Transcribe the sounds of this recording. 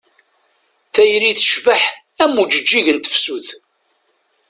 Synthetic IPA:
θæjɾiθəʃvəħ | æmud͡ʒəd͡ʒːiʝənt̪ə̥fsuθ

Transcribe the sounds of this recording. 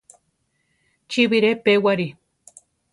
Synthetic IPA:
t͡ʃiβiɾepewaɾi

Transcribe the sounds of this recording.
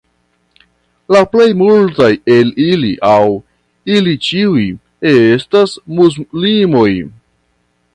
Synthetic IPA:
laple̞jmultaje̞liliʔaw | ilit͡ʃiuj | estasmuzlimo̞j

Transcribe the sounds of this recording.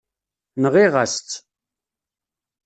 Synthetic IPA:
nəʁiʁast͡sː

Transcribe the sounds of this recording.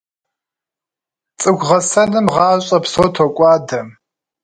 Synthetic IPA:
t͡sʼɨɡʷʁɐsɐnɨmʁɑːɕʼɐpsotʰokʷʼɑːdɐm

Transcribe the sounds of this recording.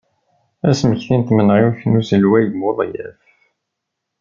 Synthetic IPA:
æsməçθint̪mənʁiwθnusəlwæjmʊðˤjæ̰f

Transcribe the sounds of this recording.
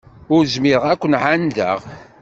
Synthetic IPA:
ʊɾzmɪɾʁækʷːənʕand̪ə̰ʁ

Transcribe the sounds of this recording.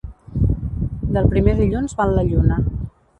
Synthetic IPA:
d̪əlˠpɾimeðiʎunzβalːəʎunə

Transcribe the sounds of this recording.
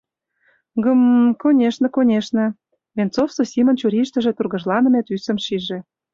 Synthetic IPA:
ɡəmkonʲeʃnə̆konʲeʃnə̆ | βʲent͡sofsosʲimə̆nt͡ɕuɾʲiʃt̪ə̆ʒĕt̪urɣɤ̆ʒlɑnə̆met̪ysə̆mʃiʒĕ

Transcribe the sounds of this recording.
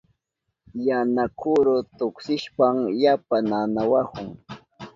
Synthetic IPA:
janakʰʊɾʊt̪ʊksɪʃpamjapananawakʊŋ

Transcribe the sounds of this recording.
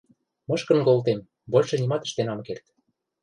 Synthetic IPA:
mɤ̆ʃkə̆nkolt̪̬em | bolʲʃɤ̆nʲimɑt̪ə̥̆ʃt̪enɑmkert̪

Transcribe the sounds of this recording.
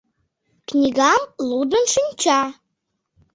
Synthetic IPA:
kʰnʲiɡamludɨnʂɨnʲt͡ʃʰa

